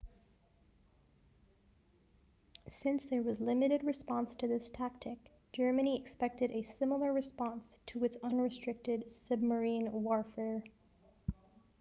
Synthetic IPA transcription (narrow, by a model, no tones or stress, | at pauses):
sɪ̃nsðə˞wʌzlɪ̃mɨɾɨd̚ɹɨspɑ̃nstʰɨðɪstʰæk̚tʰɨk̚d̥ʒ̥ɜ˞mɨniɨkspɛk̚tɨɾɨsɪ̃ml̩ˠə˞ɹɨspɑ̃nstʰəɨtsʌ̃nɹɨstɹ̥ɪk̚tɨdsʌb̚mə˞ĩnwɔɹfɛɹ